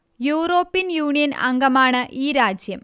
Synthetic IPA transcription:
juːro̞ːpːijɐnjuːɳijɐnɐ̰ŋɡɐmaːɳɨʔiːɾaːd͡ʑjɐm

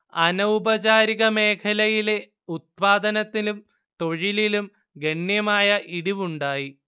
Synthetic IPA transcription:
ɐnɐubɐt͡ɕaːɾiɣɐme̞ːkʰɐlɐjile | ut̪̚paːd̪ɐnɐt̪ːilum | t̪o̞ɻililum | ɡeɳjɐmaːjɐʔiɽiʋuɳɖaːji

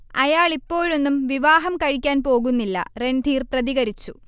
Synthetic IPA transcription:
ɐjaːɭipːo̞ːɻonːumʋiʋaːɦɐmkɐɻikʲːaːnpo̞ːɣunːilːɐ̰re̞ɳd̪ʱiːrprɐðiɣɐɾit͡ɕːu

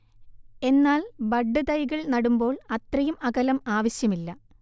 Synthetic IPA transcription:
e̞nːaːlbɐɖːɨd̪ɐjɣɐɭnɐɽumbo̞ːɭɐt̪rɐjumɐɣɐlɐmaːʋɐɕjɐmilːɐ

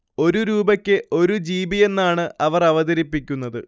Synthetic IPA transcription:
o̞ɾuɾuːbɐkʲːɨʔo̞ɾud͡ʑiːbije̞nːaːɳɨɐʋɐrɐʋɐðɐɾipːikʲːunːɐðɨ

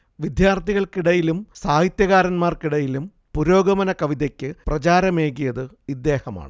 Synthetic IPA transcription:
ʋid̪jaːrt̪ʰiɣɐɭkiɽɐjilumsaːhit̪jɐɣaːɾɐnmaːrkiɽɐjilum | puɾo̞ːɡɐʋɐnɐkɐʋiðekʲːɨprɐt͡ɕaːɾɐmeːɣijɐðɨ | id̪ːe̞ːhɐma̰ːɳɨ

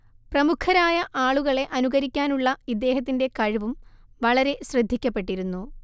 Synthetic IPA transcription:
prɐmukʰːɐɾaːjɐʔaːɭuɣɐɭe̞ʔɐnuɣɐɾikʲːaːnuɭːɐid̪ːe̞ːɦɐt̪ːinde̞kɐɻiʋumʋɐɭɐɾe̞ɕrɐd̪ʱːikʲːɐpːe̞ʈːiɾunːu

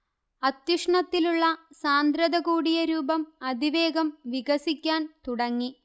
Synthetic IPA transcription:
ɐt̪juʂɳɐt̪ːiluɭːɐsaːnd̪ɾɐðɐɣuːɽijɐɾuːbɐmɐd̪ʱiʋeːɡɐmʋiɡɐsikʲːaːnt̪uɽɐŋːi

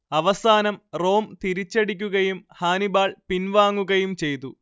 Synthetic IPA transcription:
ɐʋɐsaːnɐmro̞ːmt̪iɾit͡ɕːeɽik̬ʲːuɣɐjumhaːnibaːɭpinʋaːŋːuɣɐjumt͡ɕe̞jt̪u

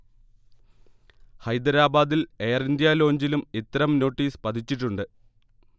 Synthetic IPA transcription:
hɐjd̪ɐɾaːbaːd̪ile̞ːrind̪jaːlo̞ːɲd͡ʑilumit̪ːɐɾɐmno̞ːʈːiːspɐd̪ʰʱit͡ɕːiʈːuɳɖɨ

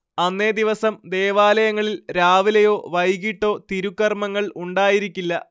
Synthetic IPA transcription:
ɐnːe̞ːd̪iʋɐsɐmd̪e̞ːʋaːlɐjɐŋːɐɭilɾaːʋilɐjo̞ːʋɐjɣiʈːo̞ːt̪iɾukːɐrmɐŋːɐɭuɳɖaːjiɾikʲːilːɐ

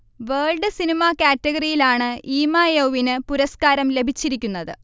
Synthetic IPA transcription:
ʋeːɭɖɨsinimakaːtːɐɣɐrijilaːɳɨʔiːmajoʋinɨpuɾɐskaːɾɐmle̞bʱit͡ɕːiɾik̬ʲːunːɐðɨ̰

